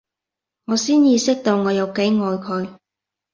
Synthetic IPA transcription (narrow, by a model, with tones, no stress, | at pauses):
ŋɔː˨˧siː˥njiː˨˧sɪ˥k̚t̪o˧wŋɔː˨˧jɐ˨˧wke˨˥jŋɔː˨˧jkʰɵ˨˧ɥ